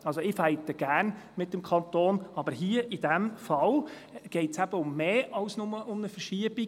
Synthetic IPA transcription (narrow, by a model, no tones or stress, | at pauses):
ɑlsoɪfæɪt̪əɡ̥æːɾn | mɪtːəmkʰɑnt̪oːnɑbəɾɦiəʔidæmfɑl | ɡ̥ɛɪtsæb̥əʊmːeːɑʊsnʊməʔʊmnəfəɾʃiəb̥i